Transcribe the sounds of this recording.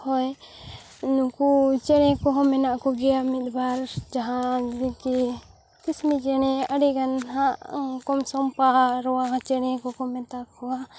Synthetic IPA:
hɔj | nũkut͡ʃɛɽ̃ɛ̃kɔɦɔ̃mɛnaʔkɔɡɛjamit̪̚baɾd͡ʒaɦãdɛki | kismit͡ʃɛɽ̃ɛaɖiɡanɦãʔkɔmsɔmpaɾɔwaɦãt͡ʃɛɽ̃ɛ̃kɔkɔmɛt̪akkɔwa

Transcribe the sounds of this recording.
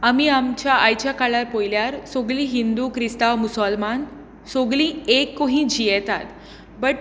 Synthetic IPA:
amiamt͡ɕjaʔajt͡ɕakaɭaɾpojljaɾsoɡliːɦind̪ukɾist̪aʋmusəlman | soɡliːekːoɦĩːd͡ʑʱijɛt̪at̪ | bəʈ

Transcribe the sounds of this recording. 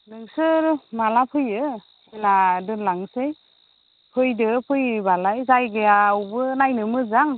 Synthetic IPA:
nɯŋsɯɾmalapʰɯjɯ | eladɯlaŋsej | pʰɯjdɯpʰɯjbalajzajɡeawbɯnajnɯmɯzaŋ

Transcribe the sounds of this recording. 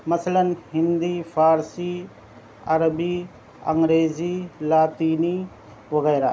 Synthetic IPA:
mɐsələnhɪ̃nd̪iːfʰaːɾsiː | ɐɾəbiː | ɐŋɡɾeːziːlaːt̪iːni | ʋɐɣɛːɾa̰ː

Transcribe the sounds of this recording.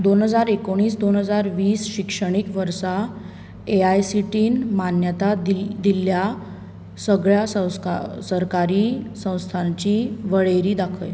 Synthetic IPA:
d̪onɦəd͡zaɾekoɽ̃iːsd̪onɦəd͡zaɾʋiːsɕikʂəɽ̃ikʋəɾsa | eajsiʈiːnmanjət̪ad̪ilja | səɡɭjassəɾkaɾiːsə̃w̃st̪ʰãɲt͡ɕiʋəɭejɾiːd̪akʰə̰j

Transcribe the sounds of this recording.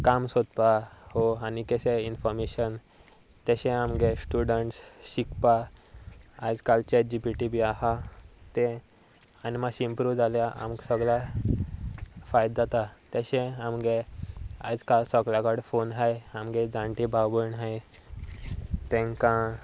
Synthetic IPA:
kamsod̪pahoanikɛɕeinfɔɾmeɕən | t̪jaɕɛ̃amɡesʈuɽəɳʈsɕikpa | ad͡zkalt͡ɕed͡ʑipiʈibiaɦat̪ɛ̃ | animaɕimpɾud͡zaljaʔa̰mɡsəɡɭa | fajd̪at̪at̪jaɕɛ̃amɡea̰d͡zkalsəɡlaɡaɽfonɦajamɡed͡zãɳʈibʱawbəɳɦaj | t̪ɛ̃ŋkã

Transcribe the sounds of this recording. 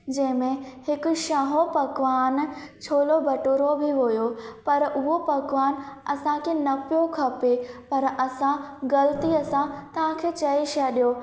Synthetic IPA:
d͡ʑɐ̃ɦɪ̃mẽhɪkʊ̆ʃaːɦopɐɡʋaːnt͡ɕʰoːlobɐʈuɾobʱɪɦujopɐɾʊɦopɐɡʋaːnɐsãkʰeːnɐpijokʰɐpepɐɾɐsãɡɐlət̪iɐsãt̪ɐʋ̤ãkʰeːt͡ɕɐiʃaɗijo

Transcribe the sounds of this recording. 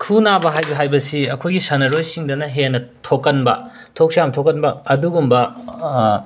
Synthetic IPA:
kʰunabɐɦajbɦajbɐsiɐkʰojɡisɐnɐɾojsiŋdɐnɐɦenɐtʰokːɐnbɐ̰ | tʰok̚siamtʰokːɐnbɐɐduɡumbɐ

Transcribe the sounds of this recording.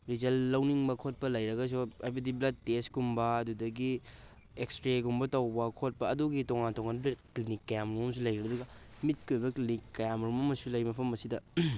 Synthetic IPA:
ɾid͡ʒɐlːɐwniŋbɐkʰot̚pɐlɐjɾɐɡɐs̬oajbɐdiblɐd̚teskumbɐːdudɐɡi | ekstɾeɡumbɐtɐwbɐkʰot̚pɐːduɡitoŋantoŋanblɐklinikːɐjamɾumɐms̬ulɐjɾibɐduɡɐmit̚kʰojbɐklinikːɐjamɾumɐmɐsulɐjmɐpʰɐmɐsidɐ

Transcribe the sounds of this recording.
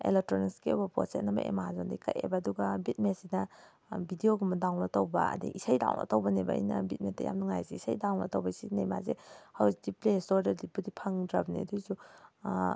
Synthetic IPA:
ḛlek̚tɾonikskeowbɐpɾo̰set̚nɐmɐ̰ʔḛmazondajkɐ̰jḛbaːduɡɐbit̚mesinɐ | bidioɡumɐdawnɐtowbɐ̰ɐ̰dḭʔisajda̰wnɐ̰towbɐneba̰ḭjnɐbit̚metːɐ̰ja̰mnɐŋajzeisajdawnɐ̰towbɐisinema̰zehawzdiplesoɾdɐɾdipudipʰɐŋdɾɐbnḛdusu

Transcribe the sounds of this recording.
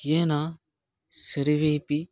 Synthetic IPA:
jeːna | sɐɾiʋeːpi

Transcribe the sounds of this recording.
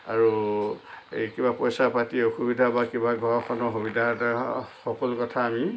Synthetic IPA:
aɹu | ekibapɔjsapatioxubidʱabakibaɡʱɔɹɔkʰɔnɔxubidʱataxɔkɔlʊkɔtʰaːmi

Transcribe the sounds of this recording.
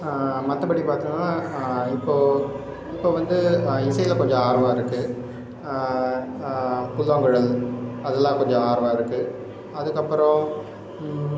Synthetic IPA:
mɐt̪ːɐbɐɽʈːipaːɾt̪ɯŋɡɐnaːɪpːoː | ɪpːoːʋɐnd̪ɯɪsɐjɪlkɔɲd͡ʒɔ̃aːɾʋãːɪɾɯkːɯ | pʊlːɐŋɡɯɻɐlɐðɛlːãːkɔɲd͡ʒɔ̃aːɾɯʋãːɪɾɯkːɯ | ɐðɯkːɐpːɯɾɔ̃

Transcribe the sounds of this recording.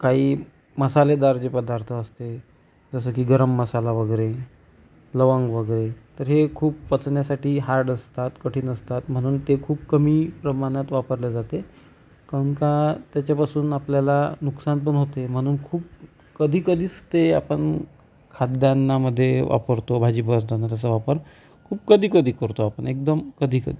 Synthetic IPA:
kaɦiː | məsaled̪aɾd͡ʑepəd̪aɾt̪ʰəəst̪e | d͡zəs̬əkiːɡəɾəmːəsalaʋəɡəɾe | ləʋãŋɡʋəɡəɾet̪əɾɦekʰuːpʋət͡sɳjasaʈiːɦaɾɖəst̪at̪kəʈʰiːnəst̪at̪m̤əɽ̃uːnt̪ekʰuːp̚kəmiːpɾəmaɽ̃at̪ʋapəɾljad͡zat̪e | kəŋkat̪jat͡ɕjapasuːnapljalanuksanp̬əɳɦot̪em̤əɽ̃uːnkʰuːp̚ | kəd̪ʱiːkəd̪ʱiːt͡st̪ea̰pəɳ | kʰad̪janːaməd̪ʱːjeʋʔa̰pəɾt̪obʱad͡ʑiːbəɾt̪onat̪jat͡səʋapəɾ | kʰuːp̚kəd̪ʱiːkəd̪ʱiːkəɾt̪oapəɳek̚d̪əmkəd̪ʱiːkə̰d̪ʱiː

